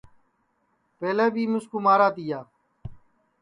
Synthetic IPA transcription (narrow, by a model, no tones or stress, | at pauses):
peːleːbʱiːmʊskuːmaːɾaːt̪ijaː